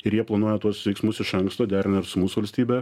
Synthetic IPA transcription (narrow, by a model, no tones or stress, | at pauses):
ɪɾjiɛplˠɐnuɔjɛt̪uɔsʋʲɛɪksmʊsɪʃɐŋkst̪oːd̪ʲæːɾʲɪnʲɐɾsʊmuːsʊʋɐlʲsʲt̪ʲiːbʲɛ